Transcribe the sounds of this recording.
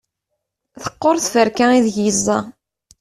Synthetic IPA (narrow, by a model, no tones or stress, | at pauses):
θə̥qːoɾˤθfəɾkæiðʝizˤːɑ